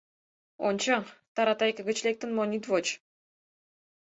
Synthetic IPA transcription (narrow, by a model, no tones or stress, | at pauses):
onʲt͡ɕɑt̪ɑɾɑt̪ɑjkə̆ɡə̆t͡ɕlek̚t̪ə̆nmonʲit̪vot͡ɕ